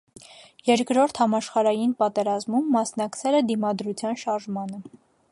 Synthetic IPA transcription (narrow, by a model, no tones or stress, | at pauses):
jɛɾkɾɔɾt̪ʰhɑmɑʃχɑɾɑjinpɑt̪ɛɾɑzmumːɑsnɑkt͡sʰɛlɛd̪imɑd̪ɾut͡sʰjɑnʃɑɾʒmɑnə